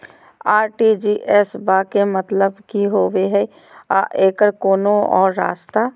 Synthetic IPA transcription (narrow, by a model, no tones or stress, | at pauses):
aːɾʈid͡ʒiʔɛsbaːkemət̪ləbkiɦoːweɦɛ | a̰ʔeːkəɾkoːnoɔ̰ːɾːa̰ːst̪aː